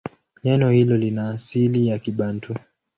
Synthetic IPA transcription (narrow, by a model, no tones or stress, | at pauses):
ɲɛnɔhilɔlinaːsilijakiɓantʰu